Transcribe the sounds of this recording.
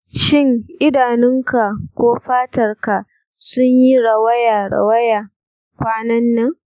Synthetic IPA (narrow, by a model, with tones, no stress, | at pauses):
ʃɪ˦˨ŋʔɪ˦daː˨nɪ˦ŋka˨kʷoː˦ɸaː˦tɐ˨rka˨ʔ | sʊ˦ɲji˦ɽɐ˨wɐ˦jaː˨ɽɐ̰˨wɐ˦ja˨ | kʷaː˦nɐ˦nːɐ˦ŋ